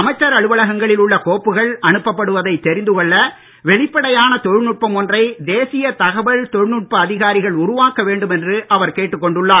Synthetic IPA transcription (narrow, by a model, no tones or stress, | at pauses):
ɐmɐɪt͡ʃːɐɾɐɻɯʋɐɭɐɣɐŋɡɐɭɪlʊɭːɐkoːpːɯɣɐɭɐɳɯpːɐpːɐɽɯʋɐðɐɪt̪ːɛɾɪnd̪ɯkɔɭːɐ | ʋɛɭɪpːɐɽɐjaːnɐt̪ɔɻnʊʈ̚pɐmɔndrɐɪd̪eːsɪjɐt̪ɐɣɐʋɐɭt̪ɔɻnʊʈ̚pɐːðɪɣaːɾɪɣɐɭʊɾʊʋaːkɐʋeːɳɖɯmɛndrɯʔɐʋɐɾkeːʈːɯkːɔɳɖɯɭːaː